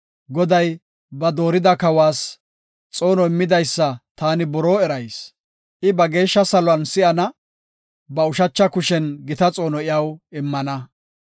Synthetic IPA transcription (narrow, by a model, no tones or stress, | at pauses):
ɡɔd̪ɐj | bɐd̪o̞ːɾɪd̪ɐkɐwaːs | t͡sʼo̞ːnɔɪmːɪd̪ɐjsːɐt̪aːnɪbɔɾoːɛɾɐjs | ʔɪbɐɡe̞ːʃːɐsɐlɔɐnsɪɐnɐ | bɐʊʃɐt͡ʃːɐkʊʃɛnɡɪt̪ɐt͡sʼo̞ːnɔɪjɐwɪmːɐnɐ